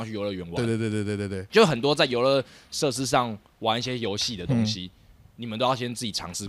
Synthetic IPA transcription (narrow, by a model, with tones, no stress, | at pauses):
ŋt͡ɕʰy˥jo˨˧ʊlə˧ɥɛ˧˥nwa˨˥˧e˥˧t̪we˧t̪we˥˧t̪we˥˧t̪e˥˧˩t̪e˥˩˨t͡ɕjʊ˩xə˨˩nt̪wɔ˦t͡sa˥˩ɪjo˧˥ʊlə˧˦ʂɤ˥˨˧ʂ̬ɻ̩˥ʂ̬ɑ˥˩ŋ | wa˧˦ni˥˩ɕjɛ˦jo˧ʊɕi˥˨d̪ə˨t̪o˦˥ŋɕi˦ | ni˨˩mə˨nt̪o˥jɕjɛ˥nt͡sɹ̩˥˩t͡ɕi˨˩ɑ̰˧˦ŋʂɻ̩˥˨